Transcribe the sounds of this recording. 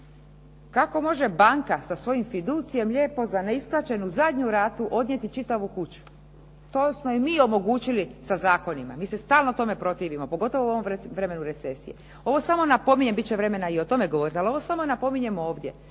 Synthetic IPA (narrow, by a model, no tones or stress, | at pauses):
kako̞mo̞ʒe̞baŋkasasʋo̞jimfid̪uːt̪sije̞mʎʲe̞ːpo̞zaneisplˠaːt͡ɕe̞nuzad̪ɲuɾaːt̪uʔo̞d̪nɲe̞t̪it͡ʃit̪aʋukut͡ɕu̥ | t̪oːsmo̞imiːo̞mo̞ɡuːt͡ɕilisazaːko̞nima̰miːse̞st̪aːlˠnot̪o̞me̞pɾo̞t̪iːʋimo̞po̞ɡo̞t̪o̞ʋouo̞ʋomʋɾeme̞nuɾe̞t̪se̞sḭjḛ | o̞ʋo̞samo̞napo̞miɲembit̪̚t͡ɕeʋɾe̞me̞naio̞t̪o̞me̞ɡooɾit̪ialo̞ʋo̞samonapo̞miɲe̞mo̞ːʋd̪ʲje̞